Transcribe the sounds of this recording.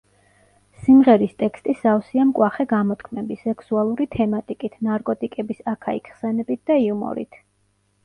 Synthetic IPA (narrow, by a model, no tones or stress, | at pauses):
simʁɛɾist̪ʼɛkʰst̪ʼisaɔsiamkʼwaχɛɡamɔt̪ʰkʰmɛbisɛkʰsualˠuɾit̪ʰɛmat̪ʼikʼit̪ʰnaɾkʼɔt̪ʼikʼɛbisakʰaḭkχsɛnɛbit̪̚ʰd̪̥aiumɔ̰ɾḭt̪ʰ